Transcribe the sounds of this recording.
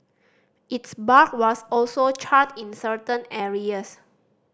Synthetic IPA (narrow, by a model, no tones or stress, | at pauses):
ʔitsbak̚wɔsɔlsot͡ʃʰatĩnsətə̃nɛɹiəs